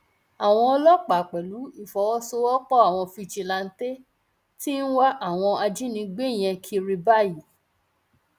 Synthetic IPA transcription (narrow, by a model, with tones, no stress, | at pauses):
a˨w̃ɔ̃˧ɔ˧lɔ˦k͡pa˨k͡pɛ˨lu˨˦i˦˨fɔ˨˦wɔ˦so˧ɔ˦k͡pɔ˦a˦˨w̃ɔ̃˧fi˧˨t͡ʃi˧la˧n̩˦te˦ | ti˦n̩˦wa˦ʔa˦˨w̃ɔ̃˧a˧d͡ʒi˦nĩ˧ɡ͡be˦˨j̃ɛ̃˧kʰi˧ɾi˧ba˦˨ji˨˦